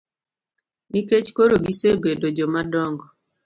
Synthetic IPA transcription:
niket͡ʃkoɾoɡisebedod͡ʒɔmadɔŋɡɔ

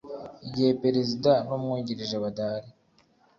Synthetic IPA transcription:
iɟihe̞peɾezidanumŋuɟiɾiʒeβadaːɾi

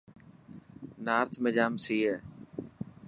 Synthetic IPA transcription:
naːɾt̪ʰmed͡ʒaːmsiːeː

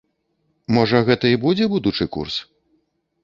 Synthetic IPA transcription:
mɔʐɐɣɛt̪ɐibud͡zʲɛbud̪ut͡ʂɨkṵrs

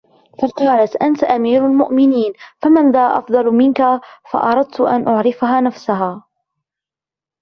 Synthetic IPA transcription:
faqɑːlat̪ʔant̪aʔamiːɾalmʊʔmɪniːnfamanðaːʔɑfd̪ˤɑlmɪnkafɑ̰ʔɑɾˤɑd̪̚t̪ʊʔa̰nʔʊʕɾɪfaɦaːnafsaɦaː

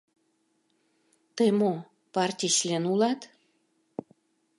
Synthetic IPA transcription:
t̪emo | pɑrt̪ʲiʃlenulɑt̪

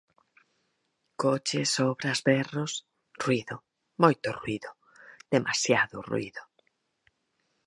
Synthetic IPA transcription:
kot͡ʃesoβɾazbɛros | rwiðʊ | mojt̪ʊrwiðʊ | ð̥emʔa̰sjaðʊ̰rṵḭðʊ

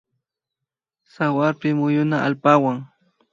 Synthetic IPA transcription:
sawaɾpɪmʊjʊnaʔa̰lpawaŋ

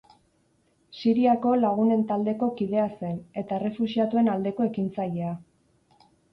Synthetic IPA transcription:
siɾiako̞laɣ̞une̞nt̪ald̪e̞ko̞kið̞e̞ase̞ne̞t̪aere̞fusiat̪ue̞nald̪e̞koe̞kint͡saje̞a

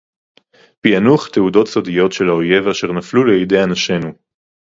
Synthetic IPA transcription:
pianuχteudo̞tsodijo̞tʃe̞laoje̞vaʃeʁnafluleide̞janaʃe̞nu

